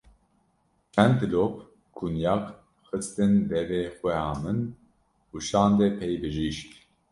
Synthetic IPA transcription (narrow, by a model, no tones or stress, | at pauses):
t͡ʃʰɛnd̪lop | kʰunjɑːk | xɨst̪ɨnd̪ɛveːxwʷɛhɑːmɨn | uʃɑːnd̪ɛpʰɛjbɨʒiʃt̪